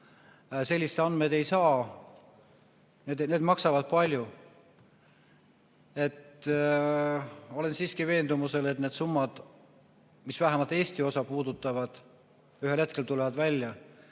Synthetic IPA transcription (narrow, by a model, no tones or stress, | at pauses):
se̞lʲːiset̪ɑnme̞d̪̥e̞jsɑː | ned̪ne̞ːd̪̥mɑksɑvɑd̪̥̚pɑlʲju | e̞t̪ | o̞le̞nsiːskive̞ːnd̪̥umuse̞le̞t̪ne̞ːd̪̥sumːɑd̪̥ | misvæɦemɑlt̪e̞ːsʲt̪io̞sɑpuːd̪̥ut̪ːˑɑvɑd̪̥ | yɦe̞lhe̞t̪ke̞lt̪ulevɑd̪̥vælʲjɑ